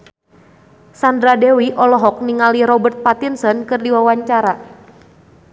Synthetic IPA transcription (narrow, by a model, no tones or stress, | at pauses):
sandɾadewiʔɔlɔɦɔk̚niŋaliɾɔbərt̪̚pat̪insɔnkɨrdiwawaɲt͡ʃaɾa